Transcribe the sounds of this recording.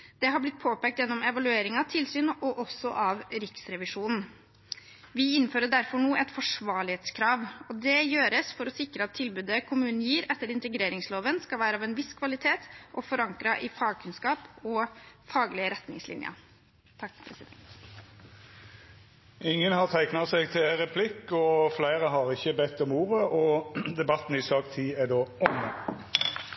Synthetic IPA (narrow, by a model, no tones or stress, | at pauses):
d̪̥ɛɦɑblɪt̪̚ːpʰoːpɛːkt̪jɛnːɔmɛʋɑlʉeːɾɪŋɑʋt̪ʰɪlsyːnɔʔɔsɔʔɑʋɾɪksɾɛʋɪʂuːnn̩ | ʋɪɪnːføːɾəɖæɾfɔɳuːʔɛt̪fɔʂʋɑːɭɪheːt̪skʰɾɑːʋɔd̪ɛjøːɾəsfɔɾɔsɪkɾəɑt̪ʰːɪlbʉd̪əkʰʊmʉːnn̩jiːɾɛt̪ːəɾɪnt̪əɡɾeːɾɪŋsloːʋənskɑlʋæːɾəɑːʋɛnʋɪskʰʋɑlɪt̪ʰeːt̪ʔɔfɔɾɑŋkɾɑʔɪfɑːɡ̚kʰʉnskɑːpɔfɑːɡlɪəɾɛt̪nɪ̰ŋslɪ̰njə̰ | t̪ʰɑkːpʰɾɛsɪd̪ɛnt̪ | ɪŋːənhɑʁt̪ʰæɪknɑsɛɡ̚t̪ʰɪʁɛpʰlɪkːɔflæɪʁəɦɑʁɪçəbɛt̪ːɔmuːʁəɔd̪ɛbɑt̪ːn̩ɪsɑːkt̪ʰiːæɖ̪oːɔnə